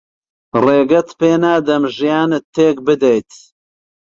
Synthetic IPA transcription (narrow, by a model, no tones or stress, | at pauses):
reːɡɐt̪peːnaːd̪ɐmʒijaːnɨt̪ʰːeːk̚bɨd̪ejt̪